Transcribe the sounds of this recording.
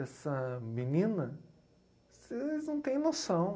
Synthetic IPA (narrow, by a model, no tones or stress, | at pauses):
ɛsɐminĩnɐ | seznɐ̃w̃t̪ẽj̃nosɐ̃w̃